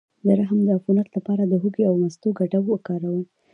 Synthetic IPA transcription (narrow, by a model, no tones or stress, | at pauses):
d̪əɾaɦəmd̪əafunat̪lapɑɾad̪əɦuɡeawnast̪oɡaʈawokɑɾawə